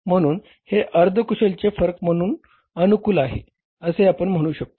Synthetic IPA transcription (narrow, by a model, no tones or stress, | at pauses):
m̤əɽ̃uːn | heʔəɾd̪ʱəkuɕelt͡ɕefəɾəkm̤əɽ̃uːn | ənukuːlaɦḛ | əseapəɳm̤əɽ̃uːɕək̚t̪o